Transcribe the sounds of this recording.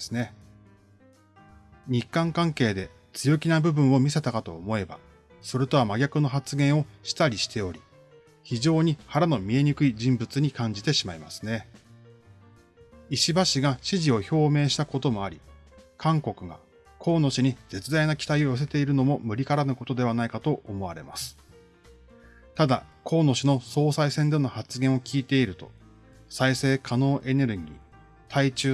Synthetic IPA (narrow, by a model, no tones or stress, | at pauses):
sɨne̞ | ɲ̟ikːãŋkãŋke̞ːd̪e̞ | t͡sɨjo̞kʲinabɯ̟bɯ̟̃ɰ̃o̞mʲise̞t̪akat̪o̞ːmo̞e̞ba̰ | so̞ɾɯ̟t̪o̞βamaɡʲakɯ̟no̞ɦat͡sɨɡẽ̞ɰ̃o̞ɕi̥t̪aɾʲiɕi̥t̪e̞o̞ɾʲi | çiʑo̞ːɲ̟ihaɾano̞mʲie̞ɲ̟ikɯ̟id͡ʑĩmbɯ̟t͡sɨɲ̟ikãɲ̟d͡ʑit̪e̞ɕimaima̰sɨ̥ne̞ | iɕibaɕiɡaɕiʑio̞ço̞ːme̞ːɕi̥t̪ako̞t̪o̞mo̞aɾʲḭkʰãŋko̞kɯ̟ɡa̰ | kʰo̞ːno̞ɕiɲ̟id͡ze̞t͡sɨd̪ainakʲi̥t̪aio̞jo̞s̬e̞t̪e̞iɾɯ̟no̞mo̞mɯ̟ɾʲikaɾanɯ̟ko̞t̪o̞d̪e̞β̞anaikat̪o̞ʔomo̞βaɾe̞̰ma̰sɨ̥ | t̪ad̪a̰kʰo̞ːno̞ɕino̞so̞ːsaisẽ̞nd̪e̞nohat͡sɨɡẽ̞ɰ̃o̞kʲiːt̪e̞iɾɯ̟t̪o̞ | saise̞ːkʰano̞ːʔe̞ne̞ɾɯ̟ɡʲḭː | t̪ʰait͡ɕɨː